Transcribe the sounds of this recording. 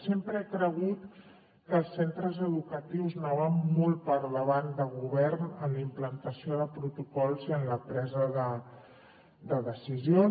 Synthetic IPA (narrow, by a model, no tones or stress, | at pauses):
sempɾəɛkɾəɣ̞ut̪ | kəːlˠsent̪ɾəzəðukət̪iwznoβammːɔlˠt̪̚pəɾðəβand̪əɣuβɛɾnənlimplənt̪əsioðəpɾut̪ukɔlˠziənləpɾɛzəðə | d̪əðəsizio